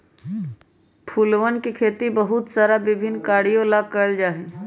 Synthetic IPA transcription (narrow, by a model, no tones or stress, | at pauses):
pʰuːlʋənkikʰeːt̪ibəɦʊt̪saːɾabɪbʱɪnːkaːɽijõlaɡ̚kəld͡ʒaːɦẽː